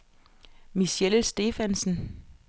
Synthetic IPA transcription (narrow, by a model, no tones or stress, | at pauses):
miselsd̥e̝ːfænsn̩